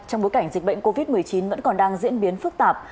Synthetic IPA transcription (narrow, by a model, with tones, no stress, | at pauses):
t͡ɕɔ˧wŋ͡mɓo˨˦jka˧˩jŋ̟zi˨˩k̟̚ɓə̰˧˨ŋko˧vi˦˥t̚mɨ˨˩əjt͡ɕi˨˦nvə̰˧˥nkɔ˨˩nɗaː˧ŋzḭ˧˥ənɓi˨˦ənfɨ˦˥k̚t̪aː˨˩p̚